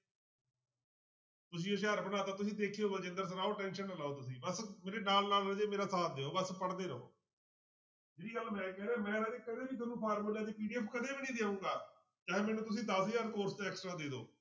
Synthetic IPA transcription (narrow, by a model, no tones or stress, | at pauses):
t̪ʊs̬ĩːəs̬eːɦəɾbənaːt̪aːt̪ʊs̬ĩːd̪eːkʰeoːbəd͡ʒɪ̃nd̪əɾs̬ənaːoːʈɛ̃ːnʃənəlaːoːt̪ʊs̬ĩːbəsmeːɾeːnaːlnaːləd͡ʒeːmeːɾaːsaːt̪̚d̪eːoːbəspəɽd̪eːɾəo̰ː | d͡ʒeːɾiːɡaːlmɛ̃ːkɛːɾeːmɛ̃ːɾəd͡ʒeːkəd̪eːbiːt̪ənũːpʰaːɾməlãːt̪eːpiːɖiɛːpʰkəd̪eːbiːnĩːd̪eːũːɡaː | kãːɦẽːmɛːnũːt̪ʊs̬ĩːd̪aːsiːəːɾkoːɾsnẽɛːksʈɾaːd̪eːd̪o̰ː